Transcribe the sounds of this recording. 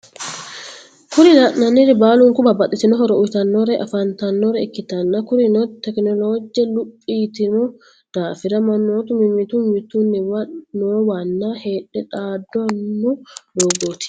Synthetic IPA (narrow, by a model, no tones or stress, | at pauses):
kʊɾɪlɐʔnɐnɪɾɛbaːlʊŋkʊbɐbɐt̪ʼɪt̪ɪnɔɦɔɾɔʔʊjt̪ɐnːɔɾɛʔɐ̰fɐnt̪ɐnːɔɾɛɪkːɪt̪ɐnːɐkʊɾɪnɔt̪ɛknɔloːd͡ʒɪɛlʊpʼːiːt̪ɪnɔ | d̪̥aːfɪɾɐmɐnːoːt̪ʊmɪmɪt̪umɪt̪unːɪwɐːoːwɐnːaheːᶑɛᶑaːd̪ːɔnːʊdoːɡot̪ɪ̥